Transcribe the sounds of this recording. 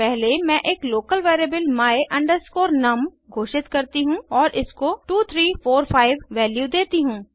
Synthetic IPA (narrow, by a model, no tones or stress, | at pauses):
pɛɦlemɛ̃ʔeːkloːkəlʋeːɾeːbəlmaːeʔɐ̃ɳɖəɾskoːɾnɐm | ɡʱoːʃɪt̪kɐɾt̪iɦũɔːɾʔɪskoʈuːt̪ʰɾiːfoːɾpʰaːɪʋːɛːljud̪eːt̪iɦũː